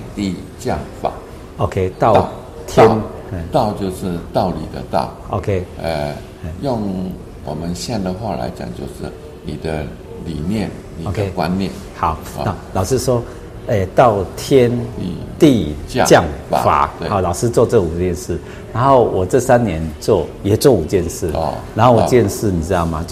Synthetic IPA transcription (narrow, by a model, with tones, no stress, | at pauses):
t̪i˥˧ | t͡ɕjɑ̰˥˨˩ŋfa̰˨˩˦ | o˧˦kʰe˦t̪ɑ˥˨ʊ˧ | t̪ʰjɛ˦ne˥˩t̪ɑ˥˧ʊt͡ɕjo˥˧ʊʂɻ̩˥˧t̪ɑ˥˩ʊlḭ˨˩d̪ə̰˦t̪ɑ̰˥˩ʊʔo̰˧kʰe˦ə˨˩ | e˥˩jʊ˥˩ŋ | wɔ˨˩mə˦nɕjɛ˥˧nd̪ə˨xwa˥˧la̰˧˦ɪt͡ɕja̰˨˩ŋt͡ɕjo˥˧ʊʂɻ̩˥˩ | ni˨˩d̪ə˦ | li˨˩njɛ˥˨˩n | ni˨o˧˦kʰe˦kwa̰˦nnjɛ̰˥˩nhɑ˨˩˦ʊ˧na˥˩lɑ˨ʊʂɻ̩˥˧ʂwɔ˦ | e˧˩t̪ɑ˥˨ʊt̪ʰjɛ˦˥ni˧t̪i˥˧˥t͡ɕjɑ˥˩ŋa̰˨˦fa̰˨˦we˧˩a˨˦ʊlɑ˨˩ʊʂɻ̩˥t͡swɔ˥˧t͡sɤ˥˩u˨˩t͡ɕjɛ˥˧nʂɻ̩˥˩ | na˧˦nxo˥˩ʊwʔɔ˨˩t͡sɤ˥˧sa˦nnjɛ˧˦nt͡swɔ˥˩jɛ˨˩t͡swɔ˥˩u˨˩t͡ɕjɛ˥˧nʂɻ̩̰˥˩˧na˨˦nxo˥˩ʊwɔ˨˩t͡ɕjɛ˥˧nʂɻ̩˥˩ni˨˩t͡sɻ̩˥t̪ɑ˥˩ʊma˨˩